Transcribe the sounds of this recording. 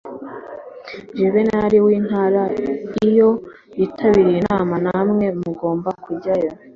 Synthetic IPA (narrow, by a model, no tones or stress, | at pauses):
ʒeβenaɾiwiːn̥haːɾaijo̞ | jitʰaβiɾijinaːmanamŋe̞muɡo̞ːmbakuɟajo